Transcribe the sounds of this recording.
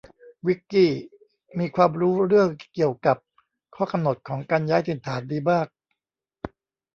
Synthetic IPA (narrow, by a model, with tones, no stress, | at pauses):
wi˦˥kːiː˥˩ | miː˧kʰwaː˧mɾuː˦˥ɾɯ˥˩əŋki˨˩əwka˨˩p̚ | kʰɔː˥˩ka˧mno˨˩t̪̚kʰɔː˩˦ŋkaː˧njaː˦˥jt̪ʰi˨˩˦nt̪ʰaː˩˦ndiː˧baː˥˩k̚